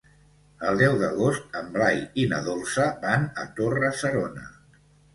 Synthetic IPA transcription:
əlˠd̪ɛwðəɣost̪̚əmblajinəðolˠsəβanət̪orəsəɾonə̰

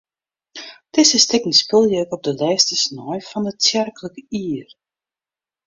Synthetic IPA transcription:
d̥ɪsəstɪknispɪlˠjəəkɔp̚dəlɛːstisnɔjfɔndət͡sjɛrkələkəiər

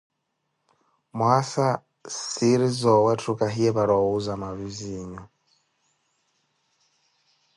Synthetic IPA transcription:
mwasa | siɾizɔwɛtʰɾukaɦiɛβaɾɔuzamaβiziːɲɔ

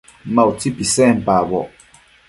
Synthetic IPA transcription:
mawt͡sipisɛm̩paβɔʔ

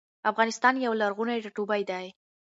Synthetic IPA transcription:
afɣɑnɪst̪ɑnjawlaɾɣunajʈaʈubajd̪aj

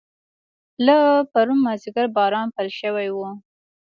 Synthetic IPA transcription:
lapaɾunmaziɡaɾbɑɾɑnpəlʃəwajwu

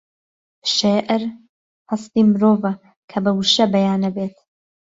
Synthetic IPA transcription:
ʃeːʔɪɾ | hɐst̪iːmɨɾoːvɐ | kʰɐbɐwuʃɐbɐjaːnɐbeːt̪

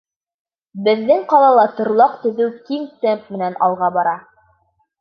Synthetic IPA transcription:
bɘ̆ðːɘŋqɑlˠɑlˠɑt̪ŏɾlˠɑqt̪ɵ̆ðɵwkiŋt̪æmp̚mɘ̆nænɑlˠʁɑbɑɾɑ

